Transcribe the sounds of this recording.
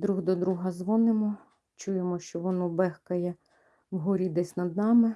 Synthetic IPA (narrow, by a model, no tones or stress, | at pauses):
d̪ɾuɦd̪ɔd̪ɾuɦɐzʋɔnɪmɔ | t͡ʃujemɔʃt͡ʃɔʋɔnɔbɛxkɐjɛ | wɦuɾʲid̪ɛsʲnɐd̪nɑmɪ